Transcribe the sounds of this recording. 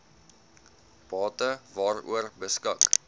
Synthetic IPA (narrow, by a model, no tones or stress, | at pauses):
b̥ɑːtəvɑːrṵərbəskək